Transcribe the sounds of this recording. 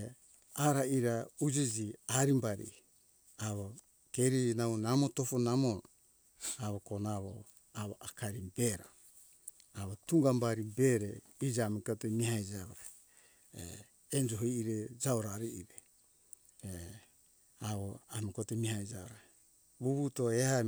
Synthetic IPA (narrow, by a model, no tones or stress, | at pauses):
aɾaiɾaud͡ʒid͡ʒiaɾimbaɾḭ | aβo | keɾinaβonamotofonamo | aβokonaβo̰ | aβoʔakʰaɾibeɾa | aβotuŋɡambaɾibeɾe | id͡ʒamikotemihaid͡ʒaβoɾa | e | end͡ʒoɦiiɾed͡ʒaoɾaɾiiɾe | e | aβoamikotemihaid͡ʒaβoɾa | βuβutoeha